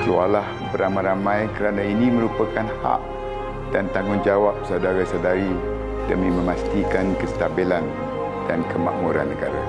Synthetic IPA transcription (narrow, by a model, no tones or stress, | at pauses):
klualah | bəɾamãjɾamãjkəɾanãinĩmə̃ɾupəkanha̰ʔ | dant̪aŋʊnd͡ʒawap̚sawdaɾasadaɾi | dəmĩmə̃mast̪ikankəst̪abilan | dankʰəmã̰ʔmuɾa̰nːəɡa̰ɾa̰